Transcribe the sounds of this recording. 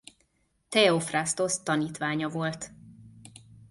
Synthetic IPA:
t̪ɛofrast̪o̞st̪ɒniːt̪ʋaːɲɒvo̞lt̪

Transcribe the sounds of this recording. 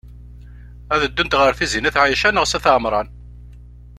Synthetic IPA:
æðəd̪ːʊnt̪ʁəɾθizinæθʕajəʃænəʁsæθʕmɾˤɑn

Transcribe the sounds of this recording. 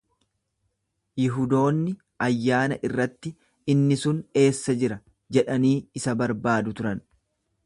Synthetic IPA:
jɪɦʊd̪o̞ːnːɪ | ʔɐjːaːnɐʔɪrːɐt̪ːɪ | ɪnːɪsʊne̞ːsːɐd͡ʒɪɾɐ | d͡ʒɛᶑɐniːɪsɐbɐɾbaːd̪ʊt̪ʊɾɐn

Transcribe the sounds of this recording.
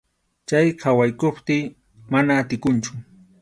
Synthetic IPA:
t͡ʃajkʰawajkʊpt̪iː | manaːt̪ɪkʊnt͡ʃʊ̥

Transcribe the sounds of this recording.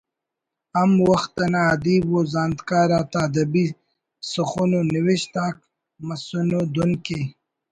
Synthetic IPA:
amwaxt̪anaːd̪ibwozɑːnd̪kɑːɾaːt̪aːd̪ɐbi | suxunoniwiɕt̪aːk̚ | mɐsunod̪unke

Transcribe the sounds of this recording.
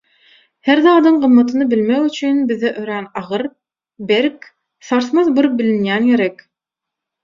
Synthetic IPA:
heɾðɑːd̪ɯɴɢɯ̆mːɑt̪ʰɯnɯbilmekyt͡ʃʰynbiðɛʔøɾænɑʁɯɾ | beɾk | sɑɾθmɑðbɯɾp̚bilinjænjeɾɛk

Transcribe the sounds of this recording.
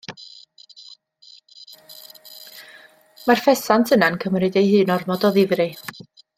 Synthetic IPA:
marfɛsantʰənankʰəmrɨdejhɨːnɔrmɔdɔðɪvrɨ

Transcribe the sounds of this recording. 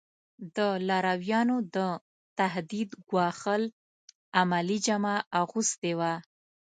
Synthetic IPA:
d̪əlaɾawjɑnod̪ə | t̪aɦd̪id̪ɡwɑxəl | amalid͡ʒamaaɣust̪ewa

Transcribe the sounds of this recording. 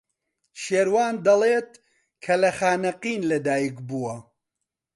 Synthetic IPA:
ʃeːɾwaːnd̪ɐleːt̪̚ | kʰɐlɐxaːnɐqiːnlɐd̪aːjikbuwɐ

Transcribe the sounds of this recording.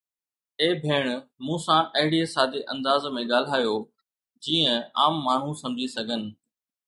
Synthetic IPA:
eːbʱeːɽ̃mũːsãːʔɐɦɪɽiesaːd̪eʔɐ̰̃nd̪aːzmẽɠaːl̤aːjoː | d͡ʑiːə̃a̰ːmːaːɳ̤ũsɐ̃md͡ʑʱisɐɡʱənɪ̆

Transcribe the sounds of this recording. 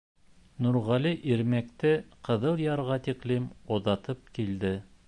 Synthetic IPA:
nuɾʁɑliʔiɾmæk̚t̪ɘqɤ̆ðɤlˠjɑɾʁɑt̪iklimoðɑt̪ɤp̚kild̪ɘ

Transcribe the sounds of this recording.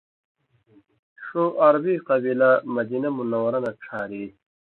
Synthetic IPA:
ʂoʔɐɾbiqɐbilamɐd̪inɐmunɐwɐɾɐnɐʈ͡ʂʰaːɾi

